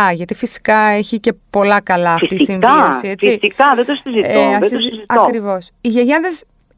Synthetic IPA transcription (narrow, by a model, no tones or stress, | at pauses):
ɐʝɐt̪ifisi̥kɐeçice̞po̞lɐkɐlɐːfisisiɱviosiet͡sfisikɐðet̪osizitɐðeosziɐokɾivo̞siʝeʝɐðes